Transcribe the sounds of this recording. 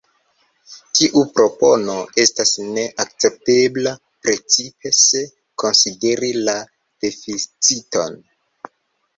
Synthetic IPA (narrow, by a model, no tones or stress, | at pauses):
tiʔupɾo̞po̞no̞e̞stasne̞ʔak̚t͡se̞p̚tebla | pɾe̞t͡sipe̞se̞ | ko̞nside̞ɾila | d̥e̞fit͡sito̞̰n